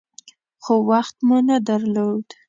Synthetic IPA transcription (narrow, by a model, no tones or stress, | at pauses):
xowaxt̪munad̪aɾlod̪̥